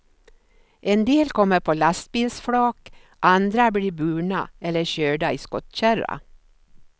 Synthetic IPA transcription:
ʔend̪eːlkʰɔmːəɾpʰoːlast̪̚biːlsfɽoːk | ʔand̪ɾabɽiːbʉːɳaɛlːəɕøːɖaiːskɔt̪ɕæɾa̰

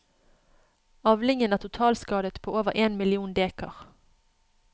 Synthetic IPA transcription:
ɑʋlɪŋənæːt̪ʰʊt̪ʰɑːlskɑːd̪ət̪pʰoːoːʋəʁeːnmɪlɪuːnd̪eːkɑ̰ʁ

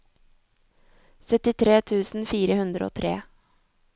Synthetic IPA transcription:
sœt̪ɪt̪ʰɾeːt̪ʰʉːsn̩fiːɾəhʉnd̪ɾo̰ːt̪ʰɾḛː

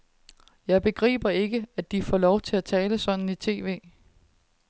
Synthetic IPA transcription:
jɑ̈ɪb̥e̝ɡ̥ʁḭːb̥ɐe̝ɡ̥əæd̥ifɒ̰lɒʊt͡sʰe̝læt͡sʰɛːləsɒ̽d̥n̩it͡sʰe̝̰ːʋe̝̰ː

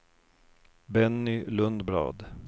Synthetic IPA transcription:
bɛnːɪlɵnd̪blɑ̰ːd̪

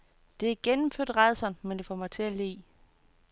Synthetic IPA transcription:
d̥e̝æɡ̥enm̩føɐ̰d̥ʁɑɪðˠsɒnmend̥e̝fɒmɑ̈ɪt͡sʰe̝æle̝̰ː

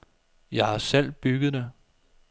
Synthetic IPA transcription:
jɑ̈ɪhɑ̈sel̰b̥yɡ̥ð̞̩ˠd̥e

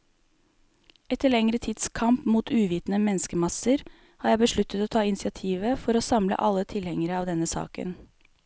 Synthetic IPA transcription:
ɛt̪ʰəɭɛŋɾət̪ʰid̪skʰɑmpmuːt̪ʰʉːʋiːt̪nəmɛnskəmɑsəɾ | hɑːjæɪbəʂɭʉt̪ːət̪oːt̪ʰɑːɪnsɪɑt̪ʰiːʋəfɔɾoːsɑmlə̰ʔɑlːət̪ʰɪlhɛŋəɾəɑːʋd̪ɛnːəsɑ̰ːkə̰n

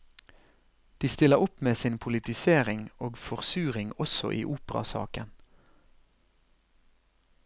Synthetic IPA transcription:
d̪̥iːst̪ɪləʁʊpmeːsɪnpʰʊlɪt̪ɪseːʁɪŋoːɡfɔʁsʉːʁɪŋɔsɔ̰ʔḭːʔuːpəʁɑ̰sɑ̰ːkən

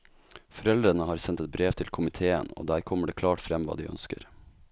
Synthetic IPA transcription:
fɔɾɛld̪ɾənəhɑːɾsɛnt̪ɛt̪̚bɾeːʋt̪ʰɪlkʰʊmɪt̪ʰeːə̰no̰ːd̪æːɾkʰɔmːəɖeːkʰlɑːʈfɾɛmʋɑ̰ːd̪iːʔœ̰nskə̰ɾ

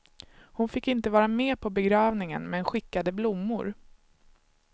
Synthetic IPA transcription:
hʊnfɪkːɪnt̪əvɑːɾameːpʰɔbɛɡɾɑːvnɪŋə̰nmɛnɧɪkːad̪əblʊmːʊ̰ɾ

